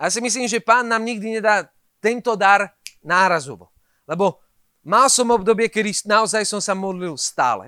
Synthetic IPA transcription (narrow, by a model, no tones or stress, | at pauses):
jasimis̬liːmʒɛpaːnːaːmɲiɡ̚d̪iɲɛd̪aː | t̪ɛnt̪ɔd̪aɾnaːɾazuʋɔ̰ | lɛbɔ | malsɔmɔb̚d̪ɔbɪɛkɛd̪inaɔzajsɔmsamɔd̪lilst̪a̰ːlɛ̰